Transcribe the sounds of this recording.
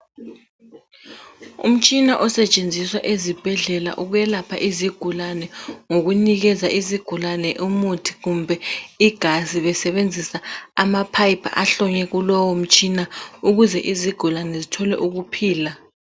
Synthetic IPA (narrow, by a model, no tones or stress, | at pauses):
ṵm̩t͡ʃʼinaʔɔsɛt͡ʃʼend͡zʱiswaʔezib̥ʱɛɮɛla̰ʔuɣujɛlapʰaʔiziɡ̥ʱulanɛŋoɣuniɣɛzaʔiziɡ̥ʱulanɛʔumutʰi̥ɣumbʱɛiɡ̥ʱaziβɛsɛβend͡zʱisaamapʰajpʰa̰ʔaɬɔɲɛɣulɔwom̩t͡ʃʼinauɣuzɛʔiziɡ̥ʱulanɛzitʰɔlɛ̰ʔuɣupʰiːla